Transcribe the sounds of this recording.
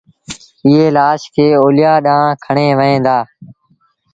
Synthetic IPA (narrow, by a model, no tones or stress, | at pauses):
ɪɦeːlaːʃkʰeːoːlɪjaːɗãːkʰəɳeːʋəɦẽːd̪aː